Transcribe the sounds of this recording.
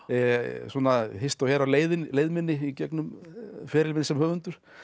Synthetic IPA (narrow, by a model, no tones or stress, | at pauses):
sɔːnahɪst̪awhɛːɾawleːjðɪnleːjðmɪnːɪicɛknʏmfɛːɾɪlmɪnɪsɛmhœːvʏnt̪ʏɾ̥